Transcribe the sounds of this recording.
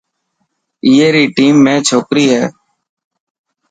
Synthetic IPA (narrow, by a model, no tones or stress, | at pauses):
iːeːɾiːʈiːmːẽːt͡ʃʰoːkɾiːɦɛː